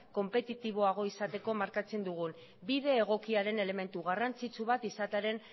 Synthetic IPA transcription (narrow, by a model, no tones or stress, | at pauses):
ko̞mpe̞t̪it̪iβ̞o̞aɣ̞o̞isat̪e̞ko̞maɾkat͡se̞nd̪uɣ̞un | biðe̞ːɣ̞o̞kiaɾe̞ne̞le̞me̞nt̪uɣarant͡sit͡suβ̞at̪isat̪eɾe̞n